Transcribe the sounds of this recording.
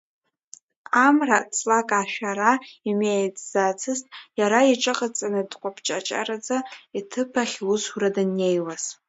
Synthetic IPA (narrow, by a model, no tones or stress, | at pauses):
amrat͡sʰʼlakʼaʃᶣaɾaimejt͡sʼz̥at͡sʰɨztʼjaɾaiʈ͡ʂʼɨqʼat͡sʼanɨdqʷʼapʰt͡ʃʼa̰t͡ʃʼa̰ɾad͡zaitʰɨpʰaχʲwuzuradɨnːejwaz̥